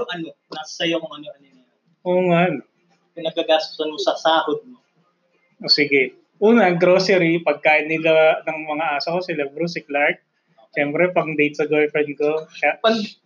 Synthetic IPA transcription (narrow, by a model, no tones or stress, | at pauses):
jʊŋʔɐnonasɐjokoŋɐnoʔɐnona | ʔoːŋan | pɪnɐɡ̚kːɐɡaːst̪ʊ̥sɐnmosɐsaːhod̪̚mo | ʔoːsɪɡɛ | ʔuːnɐɐŋɡɾoːsɛɾipɐɡ̚kaːʔɪnːɪlanɐŋmɐŋaʔaːsɐkosɪlɐbɾus̬ɪk̚laɹt̪̚ | ʃɛmpɾɛpɐŋd̪ejt̪̚sɐɡojfɛnkokapɐɡ